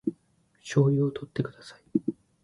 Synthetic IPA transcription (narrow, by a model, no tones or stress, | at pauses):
ɕo̞ːjʲɯot̪ʰo̞t̪ːe̞kɯ̟d̪asai̥